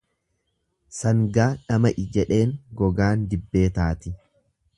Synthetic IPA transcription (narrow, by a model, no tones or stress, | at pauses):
sɐŋɡaːᶑɐmɐʔɪd͡ʒɛᶑe̞ːŋɡɔɡaːnd̪ɪbːe̞ːt̪aːt̪ɪ